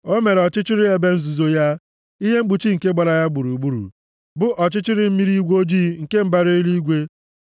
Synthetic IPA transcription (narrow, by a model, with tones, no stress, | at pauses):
o˦me˨ɾe˨ɔ˨t͡ʃɪ˦t͡ʃɪ˦ɾɪ˦e˨be˦n̩˦zu˨zo˨ja˦ | i˦ɦe˦ŋ͡m̩˦ɡ͡bu˨t͡ʃi˦ŋ̩˨ke˦ɡ͡ba˨ɾa˨ja˦ɡ͡bu˨ɾu˨ɡ͡bu˦ɾṵ˨ | bʊ˦ʔɔ˨t͡ʃɪ˦t͡ʃɪ˦ɾɪ˨m̩˦mi˦ɾi˦ɡʷo˦d͡ʒiː˦ŋ̩˨ke˦m̩˦ba˦ɾi˦i˦li˦ɡʷe˦